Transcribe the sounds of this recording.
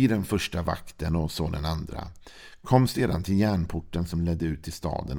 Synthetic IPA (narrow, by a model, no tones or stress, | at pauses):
id̪ɛnfœʂʈava̰kt̪ənɔsoːd̪ɛnand̪ɾa̰ | kʰɔmːseːd̪a̰nt̪ʰɪljæːɳpʰʊʈːənsɔmlɛd̪ːəʉ̟ːt̪ʰːɪlst̪ɑ̰ːd̪ə̰n